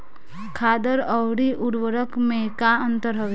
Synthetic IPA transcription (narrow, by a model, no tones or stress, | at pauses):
kʰaːd̪əɾəwɽiʔʊɽʋəɾəkmẽkaə̃nt̪əɾɦəʋ